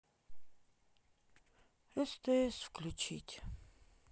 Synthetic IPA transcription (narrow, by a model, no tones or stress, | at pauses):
ɛst̪əɛsfklʲut͡ʃʰit̪ʲ